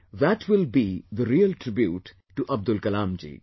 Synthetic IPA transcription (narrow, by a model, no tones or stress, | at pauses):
ðæʈʰwɪlbid̪əɾiəlʈɾɪbjuːʈː | uʔɐb̚d̪ʊlkɐlãːmd͡ʒḭː